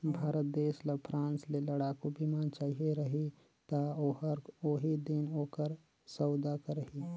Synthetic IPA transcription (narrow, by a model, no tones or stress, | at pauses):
bʱaːɾət̪̚d̪eːsləpʰɾãːnsleləɽakobʱimant͡ʃaːɦieɾəɦi | t̪aoɦəɾoːɦid̪inoːkəɾ | səʊd̪akəɾəɦi